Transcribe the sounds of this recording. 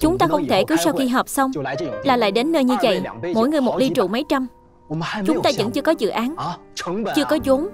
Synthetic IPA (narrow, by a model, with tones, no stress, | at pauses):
t͡ɕʊ˨˦ŋ͡mt̪aː˧xə˧wŋ͡mt̪ʰe˧˩kɨ˨˦wsa˧wxi˧ɦəː˨˩p̚sə˧wŋ͡mlaː˨˩la̰ː˧˨jɗe˨˦nːəː˧jɲɨ˧və̰˧˨jmo̰˧˥jŋɨ˨˩əjmo˨˩t̚li˧t͡ɕṵ˧˨mə˨˦jt͡ɕa˧m | t͡ɕʊ˨˦ŋ͡mt̪aː˧zə̰˧˥nt͡ɕɨ˧əkɔ˨˦zɨ̰˧˨ʔaː˨˦n | t͡ɕɨ˧əkɔ˨˦zo˨˦m